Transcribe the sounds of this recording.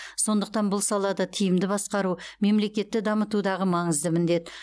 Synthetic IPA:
so̞nd̪əq̚t̪ɑnbʊlˠsɑlˠɑd̪ɑt̪ʰijɪmd̪ɪbɑsqɑɾume̞mle̞kʲe̞t̪ːɪd̪ɑmət̪ud̪ɑʁəmɑɴəzd̪əmɪnd̪e̞t̪

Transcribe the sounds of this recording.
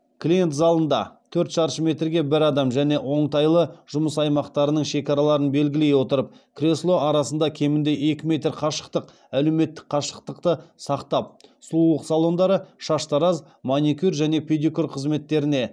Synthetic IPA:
klʲije̞nt̪zɑlˠənd̪ɑ̰t̪ʰɵɾt̪ʃɑɾʃəme̞t̪rɡʲe̞bɪɾɑd̪ɑmʒæne̞ʔwo̞ɴt̪ɑjlˠəʒ̥ʊməsɑjmɑqt̪ɑɾənəɴʃe̞kʲɑɾɑlˠɑɾənbe̞lɡʲɪle̞jwo̞t̪əɾəp̚kʰrʲeslˠo̞ʔɑɾɑsənd̪ɑkʲʰe̞mɪnd̪e̞ʔe̞kʲɪme̞t̪ɾqʰɑʃə̥qt̪əq | ælewme̞t̪ːɪ̥k̚qʰɑʃəqt̪əqt̪əsɑqt̪ɑp̚slˠulˠəqsɑlˠo̞nd̪ɑɾəʃɑʃt̪ɑɾɑz | monikʲyrʒæne̞pʲʰed̪ikurqʰəzme̞t̪ːe̞ɾɪne̞

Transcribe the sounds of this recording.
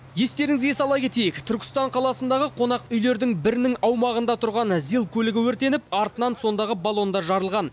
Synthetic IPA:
je̞st̪e̞ɾɪŋɪze̞sɑlˠɑjkʲʰe̞t̪e̞jɪkt̪ʰʏɾkʲɪ̥st̪ɑɴqʰɑlˠɑsənd̪ɑʁəqʰo̞nɑqʏjle̞ɾd̪ɪŋbɪɾɪnɪŋɑwmɑʁənd̪ɑt̪ʰʊɾʁɑnzilˠkʲʰɵlɪɡʲɪwɵɾt̪e̞nɪpɑɾt̪ənɑnso̞nd̪ɑʁəbalˠo̞nd̪ɑʒɑɾəlˠʁɑn

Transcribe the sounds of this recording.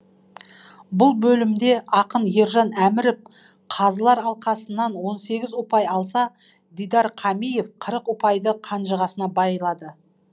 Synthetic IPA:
bʊlˠbɵlɪmd̪e̞ɑqənje̞ɾʒɑnæmɪɾɪp̚ | qʰɑzəlˠɑɾɑlˠqɑsənːɑnwo̞nse̞ɡʲɪzwopɑjɑlˠsɑ | d̪ijd̪ɑɾqʰɑmijefqʰəɾəqwʊpɑjd̪əqʰɑnʒəʁɑsənɑbɑjəlˠɑd̪ə

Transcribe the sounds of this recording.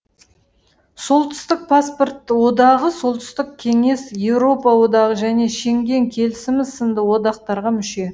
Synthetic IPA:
so̞lˠt̪ʰʏ̥st̪ɪk̚pʰaspo̞rt̪ːəwo̞d̪ɑʁəso̞lˠt̪ʰʏ̥st̪ɪk̚kʲʰe̞ŋe̞sje̞wɾo̞pɑwo̞d̪ɑʁəʒæne̞ʃe̞ŋɡʲe̞ŋkʲʰe̞lɪsɪmɪzsənd̪əwo̞d̪ɑq̚t̪ɑɾʁɑmʏʃe̞

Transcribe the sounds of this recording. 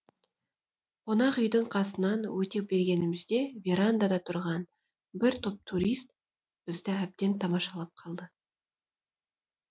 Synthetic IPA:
qʰonɑqʏjd̪əɴqʰɑsənɑnwɵt̪e̞p̚be̞ɾɡʲe̞nɪmɪzd̪e̞vʲeɾand̪ad̪ɑt̪ʰʊɾʁɑn | bɪɾt̪ʰop̚t̪ʰuɾʲijst̪̚ | b̥ɪzd̪ɪæb̚d̪e̞nt̪ʰɑmɑʃɑlˠɑp̚qʰɑlˠd̪ə

